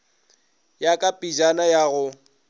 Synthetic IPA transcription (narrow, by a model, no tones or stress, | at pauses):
jakʼapʼid͡ʒanajaːɣʊ